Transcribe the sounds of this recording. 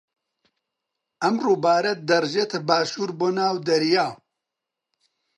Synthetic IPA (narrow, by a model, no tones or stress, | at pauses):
ʔɐmroːbaːɾɐt̪̚d̪ɐrʒeːt̪ʰɐbaːʃuːɾboːnaːwd̪ɐɾjaː